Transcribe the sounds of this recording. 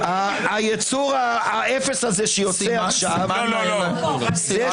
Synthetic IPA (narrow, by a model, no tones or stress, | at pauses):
aːjet͡suʁaːʔefesazeʃejot͡sɛaχʃav | zɛ